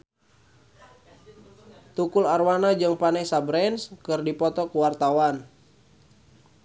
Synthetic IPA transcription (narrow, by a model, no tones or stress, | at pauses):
t̪ukʊlarwanad͡ʒɨŋpanɛsabɾɛnskɨrdipɔt̪ɔkuwart̪awan